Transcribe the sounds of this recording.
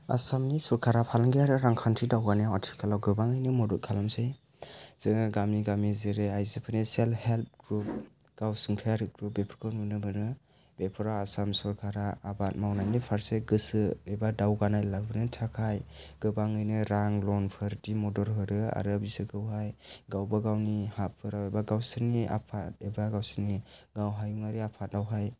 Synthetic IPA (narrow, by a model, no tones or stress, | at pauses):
a̰samnisɔɾkʰaɾapʰalaŋɡiaɾɯɾaŋkʰantʰidawɡanijawatʰi̥kʰalawɡɯbaŋɯjnɯmɔdɔt̚kʰalamsɯj | z̥ɯŋaɡamniɡamizeɾeajzɯpʰanesalhelp̚ʰɡɾup̚ | ɡ̥awsɯŋtʰajaɾɯɡɾup̚bepʰɾkʰɯnunɯbɯnɯ | b̥epʰɯɾawasamsɔɾkʰaɾaːbat̚mawnajnipʰaɾseɡɯsɯebadawɡanajlabɯnɯtʰakʰajɡ̥ɯbaŋɯjnɯɾaŋlɔnpʰɯɾdimɔdɔɾɦɯɾɯa̰ɾɯabisɯɡɯwɦajɡawbaɡawnihapʰɯɾawebaɡawsɯɾniʔa̰pʰat̚ebaɡawsɯniɡawɦajuŋaɾiapʰat̚dawɦaj